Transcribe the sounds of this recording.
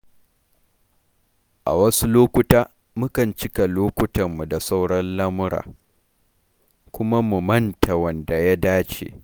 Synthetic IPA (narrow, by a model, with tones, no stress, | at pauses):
ʔa̰˨wɐ˦su˦loː˦kʷʊ˦taː˦ | mʊ˦kɐ˨nt͡ʃɪ˦ka˨loː˦kʷʊ˦tɐ˨mːu˨da˨sa˦wɽɐ˦nlɐ˦mʊ˦ɽa̰ː˨ | kʷʊ˦ma˦mu˨mɐ˦ntʰa˨wɐ˨nda˨ja˦daː˦t͡ʃḛː˨